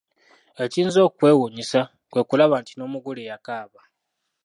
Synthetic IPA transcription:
e̞ciːnzo̞ːkwe̞ːwuɲisa | kwe̞kulaβaːntino̞ːmuɡulejakaːβa

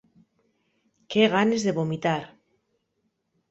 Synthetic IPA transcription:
keɣ̞anezðeβomit̪aɾ

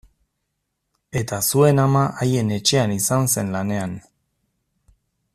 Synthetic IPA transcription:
e̞t̪asue̞namaʔaje̞ne̞t͡ʃe̞anisanse̞nlane̞an

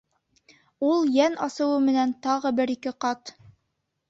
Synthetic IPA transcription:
ulˠjænɑsɤ̆wɤmɘ̆nænt̪ɑʁɤbɘɾikɘqɑt̪

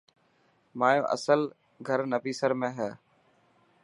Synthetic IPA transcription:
maːjõ̰ːʔə̰səl | ɡʱəɾnəpiːsəɾmẽːɦɛː

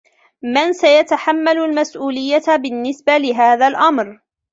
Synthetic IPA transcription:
mansajat̪aħamːalʊlmasʔuːlɪjːatbɪnːɪsbalɪɦaːðalʔamɾ

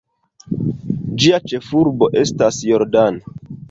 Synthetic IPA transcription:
d͡ʒiat͡ʃe̞fuɾbo̞ʔe̞stasjo̞ɾdano

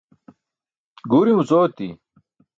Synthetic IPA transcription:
ɡuːɾimut͡soːt̪ḭ

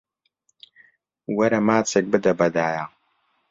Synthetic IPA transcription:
wɐɾɐmaːt͡sʰɐɡ̚bɨd̪ɐbɐd̪aːjaː

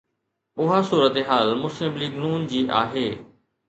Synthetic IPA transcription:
ʊɦasuːɾət̪eɦaːlmʊslɪmliːɡnuːnd͡ʑiːʔa̰ːɦeː

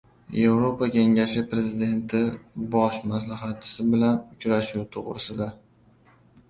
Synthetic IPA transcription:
je̞vɾopʰakʲʰe̞ŋaʃɪpɾe̞zɪd̪e̞nt̪ʰɪbɒʃmaslaɦat̪̚t͡ʃʰɪ̥sɪbɪlanʊt͡ʃɾaʃuwt̪ʰoʁɾɪ̰sɪd̪a

